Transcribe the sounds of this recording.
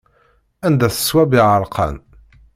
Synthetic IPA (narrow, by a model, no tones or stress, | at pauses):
ænd̪æθə̥swæbiʁəɾˤqʰɑ̰n